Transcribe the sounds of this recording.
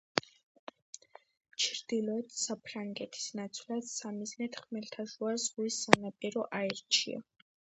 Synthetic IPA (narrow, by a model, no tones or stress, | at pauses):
t͡ʃʰɾd̪ilɔɛt̪ʰsapʰɾaŋɡɛt̪ʰi̥snat̪sʰvlad̪samiznɛt̪χmɛlt̪ʰaʃuazʁwisːanapʼiɾɔʔaɛɾt͡ʃʰḭa̰